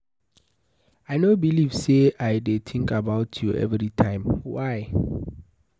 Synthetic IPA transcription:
aɪnobilivseaɪdet̪ʰĩŋkabaʊtʰjuʔɛ̰vɹitʰãɪ̃mwaɪ

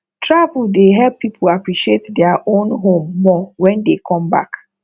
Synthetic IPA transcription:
tʰɹavuldeɦɛlpːipʰoapɹiʃietdɛaʔõnɦõmːɔwɛ̃ndekʰɔ̃mba̰k

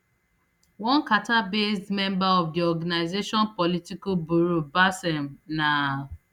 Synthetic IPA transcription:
wɔ̃nkatabesdmɛ̃mbaɔfdiɔɡanaɪzeʃɔnpɔlitikobuɾubasɛm̩na

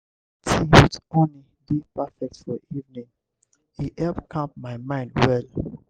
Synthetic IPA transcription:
tʰijutõni | dipafɛk̚tfɔʔivnĩŋ | iɛlpkʰãp̚maɪmãɪ̃ndwɛl

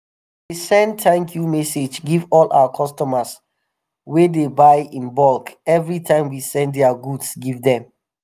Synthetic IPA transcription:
wisɛ̃nd̚tʰãŋkʰjumɛsed͡ʒɡivɔlʔa̰wakʰɔstɔməs | wedebaɪĩnbɔlkɛvɹitʰãɪ̃mwisɛ̃nddɛaɡudsɡivdɛ̃m

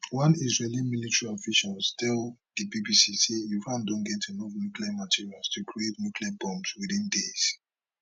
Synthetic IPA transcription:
wãnisɹelãnmilitʰəɹiɔfiʃalstʰɛld̥ibibisisejufãndɔ̃nɡɛtʰɛnɔvnjukliamatʰiɹialˠstʰukʰɹietnukʰliabɔ̃mswiðĩndes

